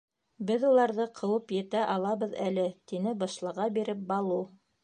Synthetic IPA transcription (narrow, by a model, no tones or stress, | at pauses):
bɘðulˠɑɾðɤqʰɤ̆wɤpjɘ̆t̪æʔɑlˠɑβɤ̆ðælɘt̪inɘbɑʃlˠɤ̆ʁɑbiɾɘp̚bɑlˠu